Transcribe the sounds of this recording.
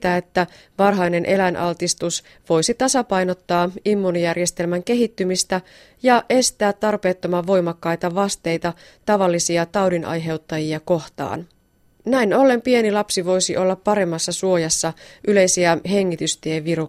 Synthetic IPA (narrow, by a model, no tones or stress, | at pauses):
t̪æe̞t̪ːæ | ʋɑrɦɑjne̞nʔe̞lænʔɑlt̪ist̪us | ʋo̞jsit̪ɑsɑpɑjno̞t̪ːɑːimːunijærjest̪e̞lmæŋke̞ɦit̪ːymist̪æ | jɑʔe̞st̪æːt̪ːɑrpe̞ːt̪ːo̞mɑːo̞jmɑkːɑjt̪ɑʋɑst̪e̞jt̪ɑ | t̪ɑʋɑlːisiɑt̪ɑwdinʔɑ̰jɦe̞wt̪ːɑjiɑko̞ht̪ɑ̰ːn | næino̞lːe̞mpie̞nilɑpsiʋo̞jsiʔo̞lːɑpːɑɾe̞mːɑsːɑsuo̞jɑsːɑʔyle̞jsiæɦe̞ŋːit̪yst̪ieʋiɾu